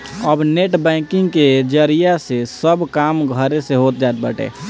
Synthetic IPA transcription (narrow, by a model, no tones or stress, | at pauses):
əbneʈbɛ̃ːkɪ̃ŋɡked͡ʒəɾijasesəbkaːmɡʱəɾeseɦoːt̪̚d͡ʒaːt̪̚bəʈḛ